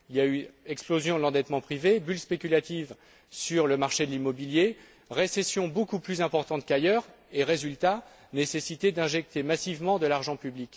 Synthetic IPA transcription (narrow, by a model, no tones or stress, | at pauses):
iljayɛksplozjɔ̃d̪lɑ̃d̪ɛt̪mɑ̃pχivebylspekʲylat̪iv | syʁləmaʁʃed̪əlimɔbilje | ʁesesjɔ̃bokuplyzɛ̃pɔʁt̪ɑ̃t̪kajœʁ | eʁezylt̪a | nesesit̪ed̪ɛ̃ʒɛk̚t̪emasivmɑ̃d̪əlaʁʒɑ̃pyblikʲ